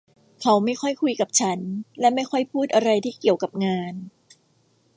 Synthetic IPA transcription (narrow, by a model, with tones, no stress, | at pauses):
kʰa˨˦˥wma˥˩jxʰɔ˥˩jkʰu˧jka˨˩p̚t͡ɕʰa˦˥nlɛ˦˥ma˥˩jkʰɔ˥˩jpʰuː˥˩t̪̚ʔa˧ɾa˧jt̪ʰiː˥˩ki˨˩əwka˨˩p̚ŋaː˧n